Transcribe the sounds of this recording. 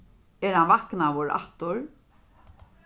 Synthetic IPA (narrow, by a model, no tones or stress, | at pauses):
ɛɾhanvahknawʊɾa̰ht̪ʊɾ